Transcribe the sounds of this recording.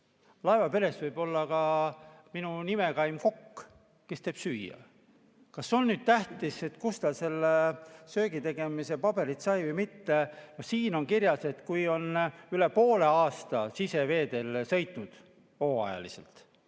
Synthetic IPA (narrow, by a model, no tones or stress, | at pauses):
lɑevɑpe̞ɾe̞svɤjb̥o̞lːɑkɑminunimekɑjmko̞kː | ke̞st̪e̞ːb̥syːjɑ̰ | kɑsːeonnyːd̪̥̚t̪æht̪ise̞t̪kust̪ɑse̞lːesø̞ːɡit̪e̞ɡ̥e̞mise̞pɑb̥e̞ɾit̪sɑjvɯjmit̪ːeno̞hsiːno̞nkiɾjɑse̞t̪kujo̞nyle̞po̞ːle̞ɑːst̪ɑsise̞ve̞ːd̪̥e̞lsɤ̞jt̪ˑnud̪̥ | o̞ːɑ̰jɑ̰lise̞̰lt̪